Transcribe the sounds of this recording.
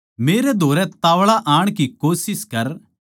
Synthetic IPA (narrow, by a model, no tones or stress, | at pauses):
meːɾɛd̪ʱoːɾɛt̪aːʋɭaʔaːɽ̃k̬ikoːsɪskɐɾ